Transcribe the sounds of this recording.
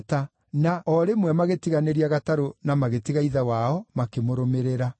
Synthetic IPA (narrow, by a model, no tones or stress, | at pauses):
ta | naɔɾemwɛmaɣetiɣaneɾiaɣataɾonamaɣetiɣaiðawaɔmakemoɾomeɾeɾa